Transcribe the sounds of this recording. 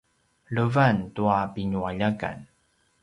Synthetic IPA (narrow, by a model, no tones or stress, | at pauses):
ɭəvantuapiɲuaʎaka̰n